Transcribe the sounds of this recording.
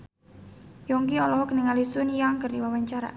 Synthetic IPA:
jɔŋkiɔlɔɦɔkənəŋalisʊnjaŋkərdiwawaɲt͡ʃaɾa̰

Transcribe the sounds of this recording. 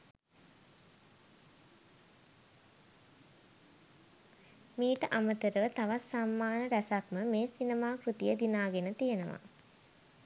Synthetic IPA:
miːʈəʔamət̪əɾəʋət̪aʋat̪samːaːnəɾæsakməmeːsinemaːkɾut̪ijəd̪inaːɡenət̪ijənəʋa̰

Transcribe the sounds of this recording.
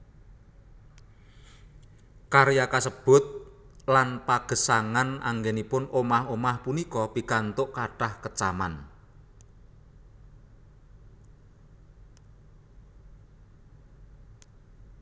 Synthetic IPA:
kaɾjakasəb̥ʊ̤t̪̚ | lanpaɡ̥ə̤saŋana̰ŋɡenipʊnomahomahpunikɔpikant̪ʊʔkaɖ̥ahkət͡ʃama̰n

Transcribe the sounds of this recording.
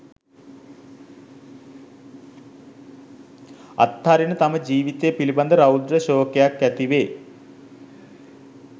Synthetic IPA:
ɐ̰t̪ːaːɾinət̪ɐməd͡ʑiːʋit̪epilibɐnd̪əɾɐwd̪ɾəɕoːkejakːæt̪iʋeː

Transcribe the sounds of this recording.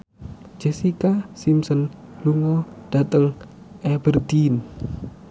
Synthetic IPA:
d͡ʒ̥ɛsikasimsɔnluŋɔd̥at̪əŋ | ʔɛbərd̪in

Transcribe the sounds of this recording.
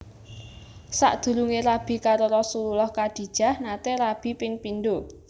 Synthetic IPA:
sa̰ʔd̪̥ṳɾuŋeɾab̥i̤kaɾoɾɔsululɔhkad̪̥i̤d̥ʒ̥a̤hnat̪eɾab̥i̤pɪŋpinɖo

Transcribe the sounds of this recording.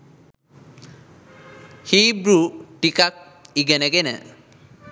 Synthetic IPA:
xibɹuʈikak̚ | iɡɛnɛɡɛnɛ̰

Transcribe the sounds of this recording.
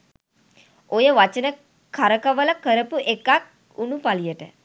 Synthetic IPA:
ojəʋat͡ʃənə | kʰaɾəkəʋələkəɾəpuʔekak̚ | unupalijəʈə

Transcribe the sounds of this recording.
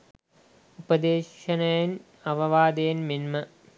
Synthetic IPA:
upɐd̪eːɕɐnɐjɐn | ɐʋɐʋaːd̪ɐjɐnminmɐ

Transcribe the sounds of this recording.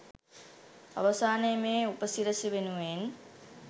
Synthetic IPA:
ɐ̰ʋɐsaːnejmeːupəsiɾəsiʋenuʋen

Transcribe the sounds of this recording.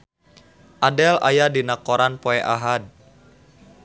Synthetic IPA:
ʔadɛla̰jadinakoɾanpoɛʔaɦad̚

